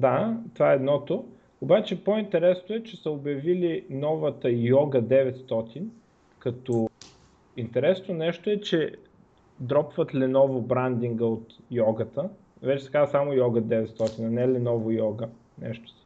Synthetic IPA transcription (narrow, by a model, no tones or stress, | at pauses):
d̪at̪ovaɛɛd̪nɔt̪o | obat͡ʃɛpoint̪ɛɾɛsnoɛt͡ʃɛsəobjɐvilinɔvət̪əjɔɡəd̪ɛvɛt̪st̪ɔt̪ʰin | kɐt̪o | int̪ɛɾɛsnonɛʃt̪oɛt͡ʃɛ | d̪ɾɔpvət̪lɛnɔvobɾand̪iŋɡəot̪jɔɡət̪ə | vɛt͡ʃɛskazəsamʊjɔɡəd̪ɛvɛt̪st̪ɔt̪inɐnɛlɛnɔvojɔɡə | nɛ̰ʃt̪o̥